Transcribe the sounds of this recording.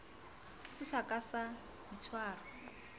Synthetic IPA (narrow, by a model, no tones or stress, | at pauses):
sɪsakʼasa | dit͡sʰwaːrɔ